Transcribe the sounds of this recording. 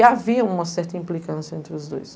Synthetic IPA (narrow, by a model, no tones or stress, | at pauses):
ɪaviɐũmɐsɛɾt̪ɐĩmplikɐ̃sjɐẽnt̪ɾɪʊzd̪o̰js